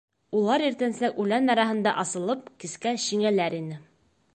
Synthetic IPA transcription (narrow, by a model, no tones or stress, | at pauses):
ulˠɑɾiɾt̪ænslækʉlænːæɾɑɦɤ̆nd̪ɑ̰ʔɑsɤ̆lˠɤp̚kiskæɕiŋælæɾinɘ